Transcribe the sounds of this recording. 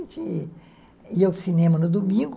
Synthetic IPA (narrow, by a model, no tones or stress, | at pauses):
t͡ʃi | iɐwsinẽmɐnʊd̪umĩɡ